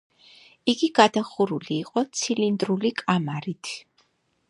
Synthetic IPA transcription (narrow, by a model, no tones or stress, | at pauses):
iɡiɡad̪aχuɾuliːqʼɔt̪sʰilind̪ɾulikʼamaɾit̪ʰ